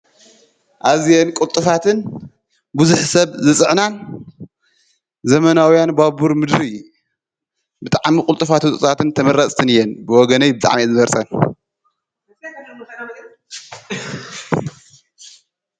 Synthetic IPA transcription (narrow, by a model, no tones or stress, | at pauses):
ʔazjenkʼult̪ʼɨfat̪ʰɨn | buzuħsɐβzɨsʼɨʕnan | zɐmɐnawijanbabuɾmɨd̪ɾi | bɨt̪ʼaʕmikʼʊlt̪ʼɨfat̪ut̪ʼɨ̰sʼat̪ʰɨnt̪ʰɐmɐɾɐt͡sʼt̪ʰɨnɨjɛnbɨwɔɡɐnɐjbɨt̪ʼa̰ʕmizɨmɐɾsʼɐn